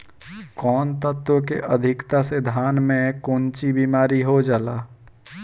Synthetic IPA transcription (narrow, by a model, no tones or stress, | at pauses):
kɔːnt̪ət̪wõkeʔəd̪ʱɪkt̪ased̪ʱaːnmẽkoːnt͡ʃibiːmaːɾiɦod͡ʒaːlaː